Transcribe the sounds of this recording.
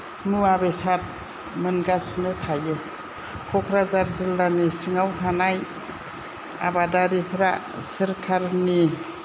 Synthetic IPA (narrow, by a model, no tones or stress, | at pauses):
nuabesat̚ | mɯnɡasɯŋɯtʰajɯ | kʰɔkʰɾazaɾzilːanisiŋawhʰanaj | a̰badaɾipʰɾa | sɯɾkʰaɾni